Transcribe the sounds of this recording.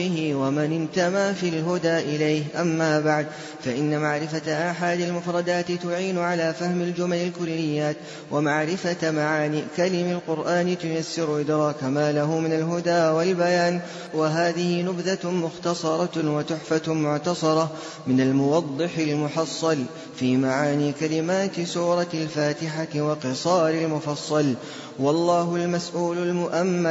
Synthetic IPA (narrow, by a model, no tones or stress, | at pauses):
ɪhɪwamanɪnt̪amaːfilɦʊd̪aːʔɪlajhʔamːaːbaʕd̪ | faʔɪnːamaʕɾɪfaʔaħad̪almʊfɾˤɑd̪aːt̪ɪt̪ʊʕiːnʊʕalaːfahmald͡ʒʊmalɪlkʊlːɪjːaːt̪ | wʔamaʕɾɪfamaʕaːnikalɪmalqʊɾʔaːnɪt̪ʊjasːɪɾʊʔɪd̪ɾˤɑːkamaːlaɦʊmɪnalɦʊd̪aːwalbajaːn | waɦaːðɪhɪnʊbd̪amʊxt̪ɑsˤɑɾˤɑwat̪ʊħfamʊʕt̪ɑsˤɑɾˤɑ | mɪnalmʊwɑd̪ˤːɨħɪlmʊħɑsˤːɑl | fiːmaʕaːniːkalɪmaːt̪suːɾˤɑlfaːt̪ɪħawɑqɨsˤɑːɾɪlmʊfɑsˤːɑl | wɑlˤːɑːɦʊlmasʔuːlʊlmʊʔamːa